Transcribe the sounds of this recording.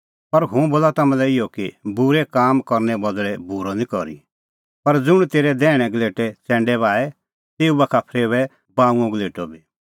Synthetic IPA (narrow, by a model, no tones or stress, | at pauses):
pɐɾɦũboːlat̪ɐmɛ̃lɛɪjɔkibʊɾɛkaːmkɔɾnɛbɔd̪ɭɛbuɾɔnĩkɔɾḭ | pɐɾd͡zʊɽ̃t̪eːɾɛd̪ɛːɽ̃ɛɡleːʈɛt͡sɛ̃ːɳɖɛβaːɛ | t̪eːubɐkʰapʰɾeːʋɛ | baːũɔ̃ɡleːʈɔbi